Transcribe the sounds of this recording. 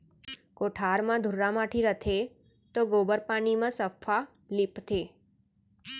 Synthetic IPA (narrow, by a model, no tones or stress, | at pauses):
koʈʰaɾmãd̪ʱuɾamaʈʰiɾət̪ʰe | t̪oɡobəɾpanimãsəfʰa | lipt̪ʰe